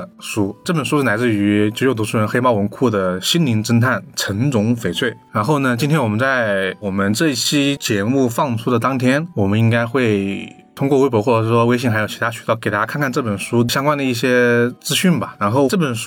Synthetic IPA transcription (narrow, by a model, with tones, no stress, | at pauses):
ʂu˥ʈ͡ʂɤ˥˩pə˨˩nʂu˥ʂ̩˥˩na˧˥ɪt͡sɹ̩˥˧y˧˥t͡ɕo˥˧˩jo˥˩t̪u˧˥ʂu˥ɻə˧˥nxe˥ɪmɑ˥˩ʊwə˧˥nkʰu˥˩d̪ə˩ɕi˥nli˧˥ŋʈ͡ʂə˥nt̪ʰa˥˩nʈ͡ʂʰə˧˥nt͡sʊ˧˥ŋfe˨˩ɪt͡sʰwe˥˩ɪɻa˧˥nxo˥˩ʊnə˩t͡ɕi˥nt̪ʰjɛ˥nwɔ˨˩mə˦nt͡sa˥˩ɪwɔ˨˩mə˦nʈ͡ʂɤ˥˧i˥˩t͡ɕʰi˥t͡ɕjɛ˧˥mu˥˧fɑ˥˩ŋʈ͡ʂʰu˥d̪ə˨˩t̪ɑ˥ŋt̪ʰjɛ˥nwɔ˨˩mə˦ni˥ŋka˥ɪxwe˥˩ɪ | t̪ʰʊ˥ŋk̬wɔ˥˧we˥ɪpwɔ˧˥wɔ˥˩˧ʂɻ̩˥˩ɔ˥we˥ɪɕi˥˩xa˧˥ɪjt͡ɕʰi˧˥t̪ʰa˥ɕy˨˧˩ɑ˥˩ʊke˨˩ɪt̪a˥kʰa˥˧kʰa˥˧nʈ͡ʂɤ˥˩pə˨˩nʂu˥˩ɕjɑ˥ŋkwa˥nd̪ə˨˧i˥˩ɕjɛ˥t͡sɹ̩˥ɕy˥˩nbɐ˩ɻa˧˥nxo˥˩ʊʈ͡ʂɤ˥˩pə˨˩nʂ